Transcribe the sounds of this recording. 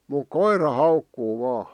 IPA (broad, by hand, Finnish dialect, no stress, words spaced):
muk koirɑ hɑukːuː ʋɑː